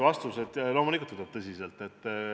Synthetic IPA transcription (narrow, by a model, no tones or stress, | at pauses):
vɑst̪uset̪jɑlo̞ːmulikult̪unub̥̚t̪ɤsʲise̞lt̪ːˑet̪ː